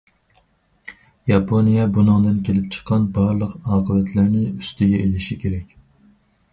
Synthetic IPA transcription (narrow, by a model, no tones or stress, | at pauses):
jɑpʰonijɑbunɨŋd̪ɨnkʲʰelɪp̚t͡ʃʰə̥qʰːɑnbɑɾlˠəqɑːqʰəvɛt̪ʰlæɾnɪyst̪ɪɡʲɛelɪʃikʲʰeɾɛkʲ